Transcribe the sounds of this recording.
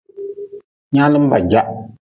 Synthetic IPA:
ɲa˦lɨ˦m̩˦va˨d͡ʒa˦ʔ

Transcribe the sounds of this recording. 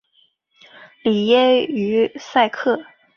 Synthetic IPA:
li˨˩jɛ˥y˧˥sa˥˧ɪkʰɤ˥˩

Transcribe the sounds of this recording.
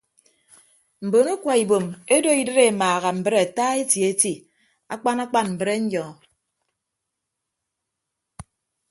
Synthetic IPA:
m̩˨bo˨nu˦kʷa˨i˨bo˨me˦do˦i˦dɨ˦ɾe˦˨maː˨ɣa˨m̩˨bɨ˦ɾe˨a˨taː˦e˦tje˨˦ti˦ | a̰˦k͡pa˦na˦k͡pa˦nm̩˨bɨ˨ɾe˦ɲ̩˦jɔ˨

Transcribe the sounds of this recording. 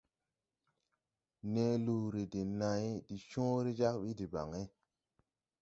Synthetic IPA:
ne˦lu˨ɾi˨di˨na˨i˦di˨ʃõː˦ɾi˦d͡ʒa˦kɓi˦di˨ba̰˨ŋe˦

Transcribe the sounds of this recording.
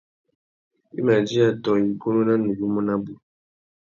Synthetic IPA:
ḭ˦ma˨d͡ʒi˦a˨tɔ˨i˨ko˦no˦na˦nu˨bu˦mɔ˦na˦bu˨

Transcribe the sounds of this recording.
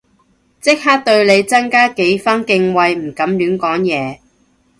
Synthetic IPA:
t͡sɪ˥k̚haː˥k̚t̪ɵ˧ɥle˨˧jt͡sɐ˥ŋkaː˥ke˨˥jfaː˥nkɪ˧ŋwɐ˧jm̩˨˩kɐ˨˧˥mlyː˨˥nkɔː˨˥ŋjɛː˨˧

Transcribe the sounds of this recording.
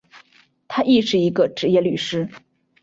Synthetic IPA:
t̪ʰa˥ʔi˥˧ʂɻ̩˥˩i˧˥ɡə˧ʈ͡ʂɻ̩˧˥jɛ˥˩ly˨˩ʂɻ̩˥

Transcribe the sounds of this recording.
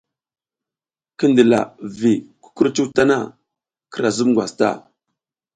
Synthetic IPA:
ki˦ndi˨la̰˨vi˨ku̥˦ku˦ɾt͡ʃu˦ta˦na˦ | kə˦ɾa˨zu˦mɡʷwʷa˨sta̰˦˨

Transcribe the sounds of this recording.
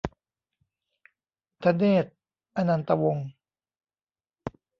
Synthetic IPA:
t̪ʰa˧neː˥˩t̪̚ | ʔa˧na˧nt̪a˧wo˧ŋ

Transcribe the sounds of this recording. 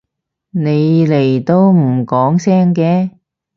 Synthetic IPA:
ne˨˧jle˨˩jt̪o˥wm̩˨˩kɔː˨˥ŋsɛː˥ŋkɛː˧

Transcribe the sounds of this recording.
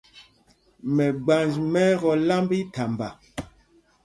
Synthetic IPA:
mɛ˨ɡ͡ba˨nd͡ʒmɛ˦ɣɔ˨la˦mbi˦ta˨mba˨

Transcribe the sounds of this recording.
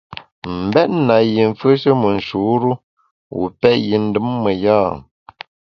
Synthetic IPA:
m̩˨bɛ˦t̚na˨ji˨ɱ˨fə˦ʃə˦mə˨n̩˨ʃu˨˦ɾu˦ | wṵ˨pɛ˦ʔji˨n̩˦dɨ˦mːə˨ja˦˨

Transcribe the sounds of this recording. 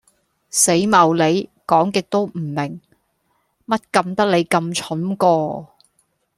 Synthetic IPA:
se˨˥jmɐ˨˩wle˨˧jkɔː˨˥ŋkɪ˨k̚t̪o˥wm̩˨˩mɪ˨˩ŋ | mɐ˥t̚kɐ˧mt̪ɐ˥k̚le˨˧jkɐ˧mt͡ʃʰʊ˨˥nkɔː˧

